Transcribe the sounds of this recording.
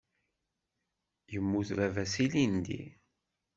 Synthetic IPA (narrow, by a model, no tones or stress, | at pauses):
jəmːuθɾævæsilind̪ḭ